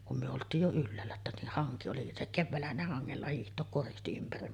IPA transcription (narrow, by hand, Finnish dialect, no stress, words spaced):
kum myø oltˑiːj jo ylːæːlːæ etːæ ni hɑŋki oli se keʋːæːlːæhæn ne hɑŋːelːɑ hiːhtˑoːk koristi ympæri